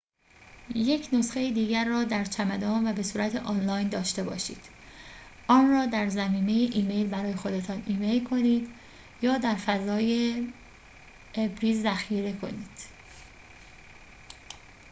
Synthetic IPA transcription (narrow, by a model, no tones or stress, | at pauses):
je̞cʰno̞sxejid̪iːɟæɾːɒːd̪æɾt͡ʃʰæmæd̪ɒːnvæbe̞suːɾæt̪ʰeʔɒːnlɒːjnd̪ɒːʃt̪e̞bɒ̰ːʃḭːd̪̥ | ʔɒːnrɒːd̪æɾzæmiːme̞jeʔiːme̞jlbæɾɒːje̞xo̞d̪e̞t̪ʰɒːniːme̞jlkʰo̞niːd̪ | jɒːd̪æɾfæzɒːje | bɾiːzːæxiːɾe̞kʰo̞̰niːd̪̥